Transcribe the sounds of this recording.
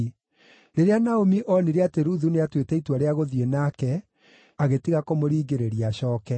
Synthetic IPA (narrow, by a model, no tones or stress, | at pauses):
ɾeɾeanaomiʔɔneɾeateɾuðuneatwetɛitwaɾeaɣoðienakɛ | aɣetiɣakomoɾiːɡeɾeɾiaɕɔːkɛ